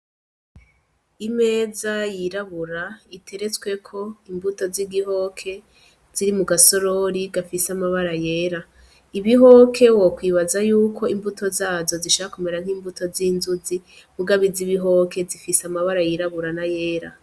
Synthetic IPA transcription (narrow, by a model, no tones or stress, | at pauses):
ime̞ːzajiɾaβuɾaitʰe̞ɾe̞t͡swe̞kʰo̞imbuto̞ziɡiɦo̞kʰe̞ | z̥iɾimuɡaso̞ɾo̞ɾiɡafisamaβaɾaje̞ːɾa | iβiɦo̞kʰe̞wokwiːβazajuːkʰo̞imbutʰo̞zaːzo̞ziʃoɾakume̞ɾanŋ̥hiːmbuto̞zinzuzi | muɡaβiziβiɦo̞kʰe̞zifisamaβaɾajiɾaβuɾanaje̞ːɾa̰